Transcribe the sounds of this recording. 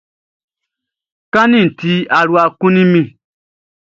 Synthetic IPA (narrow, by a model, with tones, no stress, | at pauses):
kã˦nĩ˦˨n̩˨ti˧˦a˨ɾu˦a˧kũ˦nĩ˦mĩ˦˨